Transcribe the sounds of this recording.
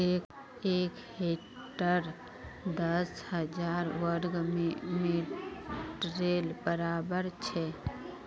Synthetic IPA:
e | eːk | ɦhe | ʈəɾ | d̪əshəd͡ʒaːɾwəɾɡme | ʈɾelbəɾaːbəɾt͡ʃʰɛ

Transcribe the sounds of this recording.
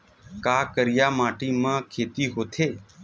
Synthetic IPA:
kaːkəɾɪjaːmaːʈiːmãːkʰeːt̪iːɦoːt̪ʰeː

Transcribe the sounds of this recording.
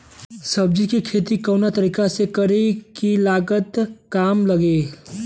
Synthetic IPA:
səb̚d͡ʒikikʰeːt̪ikɐːnat̪əɾiːkasekəɾekilaːɡət̪kaːmlɐɡeː

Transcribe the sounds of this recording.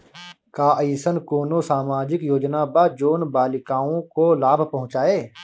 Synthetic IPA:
kaːəisənkoːnosaːmaːd͡ʒɪkjoːd͡ʒnabad͡ʒoːnbaːlɪkaːõkolaːbʱpɐ̃ɦʊ̃t͡ʃaːeː

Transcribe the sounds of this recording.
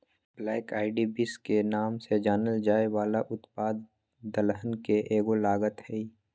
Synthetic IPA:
blɛːɪkaːɪɖibɪskenaːmsed͡ʒaːnəld͡ʒaːeʋaːlaʔʊt̪paːd̪ː | əlɦənkeʔeːɡolaːɡət̪ɦɛi

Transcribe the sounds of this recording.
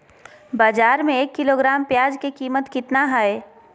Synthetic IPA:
baːd͡ʒaːɾmẽeːkːɪloɡɾaːmpjaːd͡ʒkekiːmət̪kɪt̪naɦaːe

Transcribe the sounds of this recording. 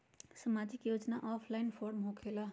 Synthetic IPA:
səmad͡zikjod͡znaʔɔpʰlajnpʰoɾmɦokʰela

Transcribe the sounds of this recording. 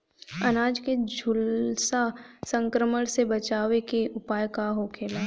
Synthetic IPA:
ɐnaːd͡ʒked͡ʒʱʊlsasə̃ŋkɾəməɽ̃sebət͡ʃaːʋekeʔʊpaːjkaɦokʰeːlaː

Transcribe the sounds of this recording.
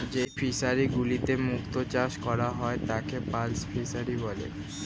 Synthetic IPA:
d͡ʑejfʰisaɾiɡulit̪emukt̪ot͡ɕaʃkɔɾaɦɔet̪akepalsfʰisaɾibɔlḛ

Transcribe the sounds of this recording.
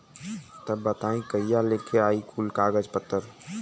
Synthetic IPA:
t̪əbbːət̪aːĩkəijalekeaːikʰuːlkaːɡəd͡ʒpət̪ːəɾ

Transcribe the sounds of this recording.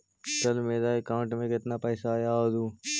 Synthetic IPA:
t͡ʃəlmeːd̪aːekãːɳʈmẽkɪt̪napɛːsajaod̪uː

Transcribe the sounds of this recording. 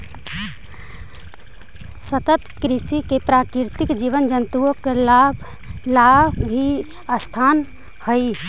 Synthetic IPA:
sət̪ət̪kɾisikepɾakɾiɾt̪ikd͡ʒiʋənd͡ʒənt̪uokel | labʱi | əst̪ʰan | həi

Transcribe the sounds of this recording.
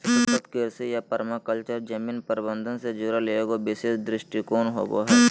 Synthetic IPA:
kət̪kɪɾsijapɐɾmakəlt͡ʃəɾd͡ʒɐmiːnpəɾɪbə̃nd̪ʱənsed͡ʒʊɾaleeɡobɪseːsd̪ɾɪʃʈikoːnɦo̰ːɡo̰ɦɛː

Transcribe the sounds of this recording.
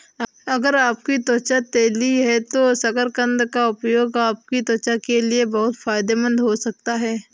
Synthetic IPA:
ɐɡəɾaːp̚kit̪ɔːt͡ʃat̪eːliɦɛt̪osɐkəɾkə̃nd̪kaʊpjoːɡaːp̚kit̪ɔːt͡ʃakeliebɐɦʊt̪faːɪd̪emə̃nd̪ɦosɐk̚t̪aɦɛː

